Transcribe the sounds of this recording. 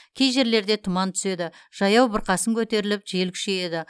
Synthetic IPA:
kʲʰe̞jʒe̞ɾle̞ɾd̪e̞t̪ʰʊmɑnt̪ʰʏ̥se̞d̪ɪ | ʒ̥ɑjɑwbəɾqɑsəŋkʲʰɵt̪e̞ɾɪlɪp̚ʒe̞lkʰʲɪ̥ʃeje̞d̪ɪ

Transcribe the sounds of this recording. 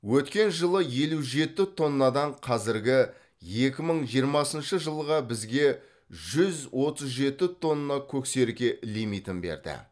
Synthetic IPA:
wɵt̪kʲe̞nʒəlˠəje̞luʒe̞t̪ɪt̪ʰo̞nːɑd̪ɑɴqʰɑzɪɾɡʲɪ | je̞kʲɪməɴʒijəɾmɑsənʃəʒəlˠʁɑbɪzɡʲe̞ | ʒʏzwo̞t̪əzʒe̞t̪ɪt̪ʰo̞nːɑkʲʰɵkse̞ɾkʲe̞limit̪ɪnbe̞̰ɾd̪ɪ̰

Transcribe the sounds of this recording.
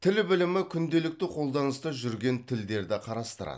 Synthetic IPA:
t̪ʰɪlbɪlɪmɪkʲʰʏnd̪e̞lɪk̚t̪ɪqʰo̞lˠd̪ɑnəst̪ɑʒʏɾɡʲe̞nt̪ʰɪld̪e̞ɾd̪ɪqʰɑɾɑst̪əɾɑ̰d̪ə̥

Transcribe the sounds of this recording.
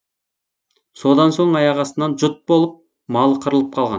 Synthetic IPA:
so̞d̪ɑnso̞ɴɑjɑʁɑsənɑnʒʊt̪̚bo̞lˠəp̚ | mɑlˠəqʰəɾəlˠəp̚qʰɑlˠʁɑ̰n

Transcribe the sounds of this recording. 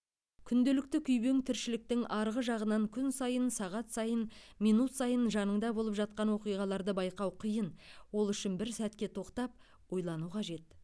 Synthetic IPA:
kʲʰʏnd̪e̞lɪkt̪ɪkʲʰʏjbe̞ŋt̪ʰɪɾʃɪlɪk̚t̪ɪŋʔɑɾʁəʒɑʁənɑŋkʲʰʏnsɑjənsɑʁɑt̪sɑjənmijnut̪sɑjənʒɑnəɴd̪ɑbo̞lˠəpʒɑt̪̚qɑnwo̞qijʁɑlˠɑɾd̪əbɑjqɑwqʰijənwo̞lˠʏʃɪnbɪɾsæt̪kʲe̞t̪ʰo̞qt̪ɑp̚ | wo̞jlˠɑnuqʰɑʒe̞t̪̚

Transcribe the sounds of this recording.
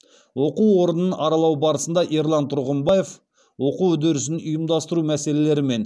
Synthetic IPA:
wo̞quwwo̞ɾənənʔɑɾɑlˠɑwbɑɾəsənd̪ɑʔeɾlˠɑnt̪ʰʊɾʁəmbɑje̞f | wo̞quwɵd̪eɾɪsɪnʊjəmd̪ɑst̪əɾumæse̞le̞le̞ɾɪme̞n

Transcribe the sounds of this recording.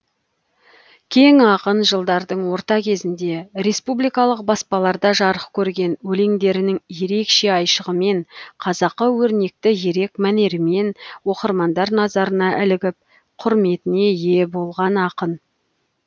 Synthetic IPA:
kʲʰe̞ŋɑqənʒəlˠd̪ɑɾd̪əɴwo̞ɾt̪ɑkʲʰe̞zɪnd̪e̞ɾe̞spublijkɑlˠəq̚bɑspɑlˠɑɾd̪ɑʒɑɾəqkʲʰɵɾɡʲe̞nwɵleŋd̪e̞ɾɪnɪŋje̞ɾe̞kʃe̞ɑjʃəʁəme̞ɴqʰɑzɑqːəwɵɾne̞k̚t̪ɪje̞ɾe̞kmæne̞ɾɪme̞nwo̞qəɾmɑnd̪ɑɾnɑzɑɾənɑʔɪlɪɡʲɪp̚ | qʰʊɾme̞t̪ɪne̞je̞bo̞lˠʁɑnɑqən

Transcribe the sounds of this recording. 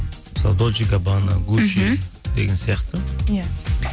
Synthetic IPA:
sa̰d̪od͡ʒiɡabanaɡut͡ʃid̪̥eɡʲensijɑqt̪ə

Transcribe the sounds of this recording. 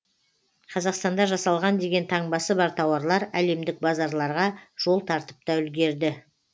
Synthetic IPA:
qʰɑzɑqst̪ɑnd̪ɑʒɑsɑlˠʁɑnd̪e̞ɡʲe̞nt̪ʰɑɴbɑsəbɑɾt̪ʰɑwɑɾlˠɑɾæle̞md̪ɪk̚bɑzɑɾlˠɑɾʁɑʒ̥o̞lˠt̪ʰɑɾt̪ə̥p̚t̪ɑʏlɡʲe̞ɾd̪ɪ

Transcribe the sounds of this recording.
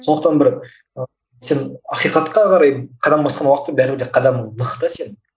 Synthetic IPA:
sond̪əqt̪ɑnbɪɾ | ə | senɑqijqɑt̪qɑqʰɑɾɑjqʰɑd̪ɑmbɑsqɑnwɑqət̪ːəbæɾɪbɪɾd̪eqʰɑd̪ɑmnəqt̪əse̞n

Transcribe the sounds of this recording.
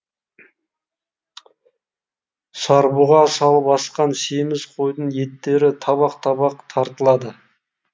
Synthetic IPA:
sɑɾbuʁɑsɑlˠəpɑsqɑnsemɪzqʰo̞jd̪əɴje̞t̪ːe̞ɾɪt̪ʰɑβɑqt̪ʰɑβɑqt̪ʰɑɾt̪əlˠɑd̪ə

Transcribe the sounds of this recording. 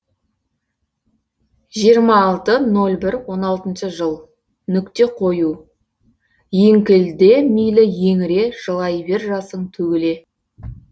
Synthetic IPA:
ʒijəɾmɑːlˠt̪əno̞lʲˠbɪɾwo̞nɑlˠt̪ənʃəʒəlˠ | nʏkt̪e̞qʰo̞ju | jeŋkʲɪld̪e̞mijlɪje̞ŋɪɾe̞ʒ̥əlˠɑjbeɾʒɑsəɴt̪ʰɵɡʲɪle̞

